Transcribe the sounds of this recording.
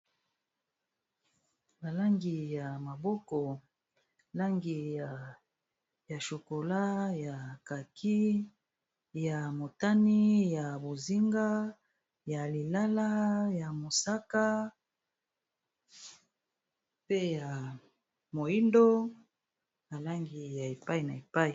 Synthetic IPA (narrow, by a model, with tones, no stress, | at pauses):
ba˨la˦ŋɡi˨ja˨ma˨bɔ˦kɔ˨ | la˦ŋɡi˨ | ja˨ʃo˨ko˨la˦ja˨ka˨kʰi˦ | ja˨mo˨ta˦ni˦ja˨bo˨zi˦ŋɡa˦ | ja˨li˨la˦la˦ja˨mo˨sa˦ka˦ | pe˦ja˨ | mo˨ji˦ndo˦ | ba˨la˦ŋɡi˨ja˨e˨pa˦i˨na˨e˨pa˦i˨